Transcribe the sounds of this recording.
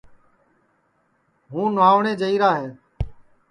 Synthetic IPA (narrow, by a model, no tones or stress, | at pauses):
ɦũːnʋaːʋɳeːd͡ʒəiːɾaːɦeː